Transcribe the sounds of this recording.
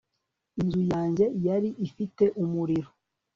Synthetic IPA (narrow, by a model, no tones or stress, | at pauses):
inzujaːɲɟe̞jaɾiʔifite̞ʔumuɾiɾo